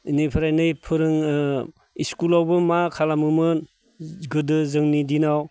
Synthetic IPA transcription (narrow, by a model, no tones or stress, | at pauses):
inijpʰɯɾajnɯjpʰɯɾɯŋ | iskulawbɯmakʰalamɯmɯn | ɡɯdɯzɯŋnidinaw